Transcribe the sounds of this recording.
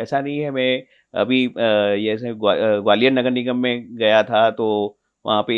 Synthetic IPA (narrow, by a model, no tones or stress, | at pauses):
ɛːsanɐɦĩɦɛmɛ̃ | ɐ̰bʱijɛːsẽɡaɡwaːlijənːɐɡəɾniɡəmːẽɡɐjat̪ʰat̪oː | ʋɐ̰ɦãpe